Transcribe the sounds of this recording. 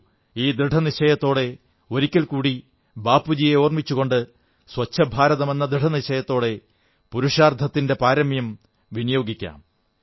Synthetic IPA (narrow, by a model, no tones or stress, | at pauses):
iːd̪ɾɨʈʰɐniɕɐjɐt̪ːo̞ːɽe̞ | o̞ɾikʲːɐlkuːɽi | baːpːud͡ʑijeoːrmit͡ɕːuɣo̞ɳɖɨ | swɐt͡ɕʰːɐbʱaːɾɐðɐme̞nːɐd̪ɾɨʈʰɐniɕɐjɐt̪ːo̞ːɽe̞ | puɾuʂaːrd̪ʱɐt̪ːinde̞paːɾɐmjɐm | ʋinɐjo̞ːɡikʲːa̰ːm